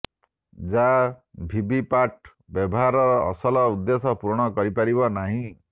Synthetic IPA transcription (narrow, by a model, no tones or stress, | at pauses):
d͡ʒabʱibipaʈ | bjɔbɔɦaɾɔɾɔ̰ːsɔlɔud̪ːesɔpuɾɽ̃ɔkɔɾipaɾibɔnaɦĩ